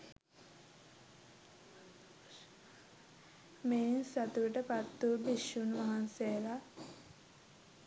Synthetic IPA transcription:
meːnsat̪uʋəʈəpat̪ːubiʃunʋaɦansejəla

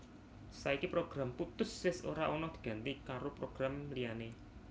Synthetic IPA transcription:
saikipɾoɡ̥ɾamput̪ʊswɪso̰ɾaʔonɔd̪̥i̤̥ɡ̥a̤nt̪ikaɾopɾoɡ̥ɾamliane

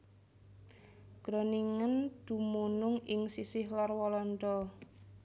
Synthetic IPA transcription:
ɡ̥ɾɔniŋənd̪̥ṳmunʊŋɪŋsisɪhlarwɔlɔndɔ

